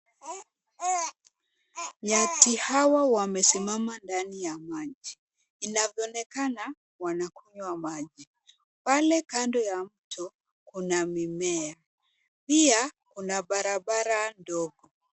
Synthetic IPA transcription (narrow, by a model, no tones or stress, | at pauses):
matihawawamɛsimamandanijamaʄiː | navjɔnɛkana | wanakuɲwamaʄi | palɛkandɔjam̩tɔ | kunamimɛa | piakunaɓaɾaɓaɾandɔɡɔ